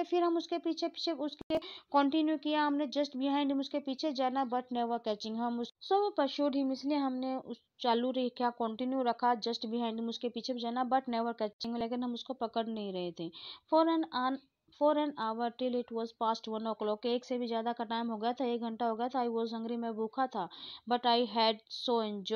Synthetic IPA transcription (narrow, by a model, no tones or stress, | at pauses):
efʰɪɾɦɐmʊskepiːt͡ʃʰepi̥t͡ʃʰeʊskekɔ̃ːɳʈɪnjukijaɦɐmned͡ʒɐsʈbɪɦãɪ̃ɳɖmʊskepiːt͡ʃʰed͡ʒaːnabɐʈneːʋəɾkɛːt͡ʃɪ̃ŋɡɦɐmʊssobpɐʃoːɖɦimɪslieɦɐmneʊ | t͡ʃaːluɾekʰjakɔ̃ːɳʈinjuɾɐkʰad͡ʒɐsʈbɪɦãɪɳɖɪmʊskepiːt͡ʃʰebʱid͡ʒaːnabɐʈneːʋəɾkɛːt͡ʃɪ̃ŋɡleːkɪnɦɐmʊskopɐkəɽnɐɦĩɾɐɦet̪ʰefɔɾnan | fɔːɾɛ̃naːʋəɾʈɪlɪʈʋɔːzpaːsʈʋɐ̃nɔklɔːkːeeːksebʱizjaːd̪akaʈaːɪmɦoɡɐjat̪ʰaeːk̚ɡʱɐ̃ɳʈaɦoɡɐjat̪ʰaːiʋɔːzɦɐ̃ŋɡɾimẽbʱuːkʰat̪ʰabɐʈaːɪɦɛːɖsoɪ̃nd͡ʒ